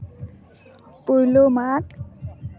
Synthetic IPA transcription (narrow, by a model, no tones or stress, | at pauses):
puɹlomat